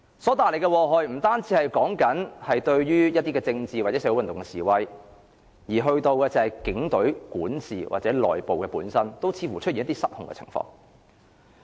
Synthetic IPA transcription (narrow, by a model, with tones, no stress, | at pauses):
sɔː˨˥t̪aː˨jle˨˩jkɛ˧wɔː˧ɦɔː˨˩jm̩˨˩t̪aː˥nt͡siː˨˥hɐ˨jkɔː˨˥ŋkɐ˨˥nhɐ˨jt̪ɵ˧ɥjyː˥jɐ˥t̪̚iː˥kɛː˧t͡sɪ˧ŋt͡siː˨wa˨˩ɛː˨˥swwntʊ˨ŋkɛ˧siː˨˩wɐ˧j | jiː˨˩ɦɵ˧ɥt̪o˧wkɛː˧t͡sɐ˨hɐ˨jkɪ˨˥ŋt̪ɵ˨˥ɥkuː˨˥nsiː˨wʔa̰ː˨t̚t͡sɛː˨˥lɔ̰ː˨jpo˨wkɛː˧puː˨˥nsɐ˥nt̪o˥wt͡sʰiː˧fuː˨˩t͡ʃ̚ʰi˨njɐ˥t̪i˥sɐ˥t̚hʊ˨ŋkɛ̰˧t͡sʰɪ̰˨˩ŋfɔ̰ː˧ŋ